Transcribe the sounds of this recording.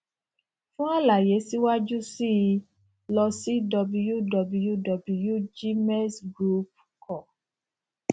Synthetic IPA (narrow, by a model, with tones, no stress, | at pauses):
fũ˦a˦la˨je˨˦si˦wa˦d͡ʒu˦si˦˧ | lɔ˧si˦dɔ˧bu˧ju˦dɔ˨˧bu˧ju˦dɔ˨bu˧ju˦d͡ʒi˦mɛ˦sɡɾu˦p̚ | kɔ˨